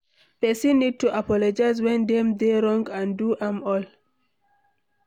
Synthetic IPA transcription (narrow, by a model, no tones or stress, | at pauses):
pɛsĩnːid̚tuʔapɔlɔd͡ʒaɪzwɛ̃nd̪ɛ̃mdeɹɔ̃ŋɡãnduʔãmɔl